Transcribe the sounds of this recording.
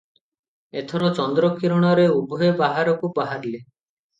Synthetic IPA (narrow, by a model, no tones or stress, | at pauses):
et̪ʰɔɾɔt͡ʃɔnd̪ɾɔkiɾɔɽ̃ɔɾeubʱɔebaɦaɾɔkubaɦaɾle